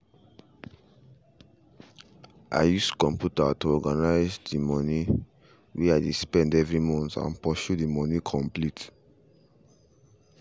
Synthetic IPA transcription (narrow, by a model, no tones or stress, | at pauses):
ʔa̰ɪjuskɔ̃mpjutatuɔɡanaɪzdimɔni | wiaɪdespɛ̃ndɛvɹimɔ̃ntã̰npɔʃudimɔnikʰɔ̃mplit